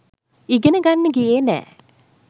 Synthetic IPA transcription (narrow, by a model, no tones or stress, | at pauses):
iɡenəɡanːəɡijeːnɛ̰ː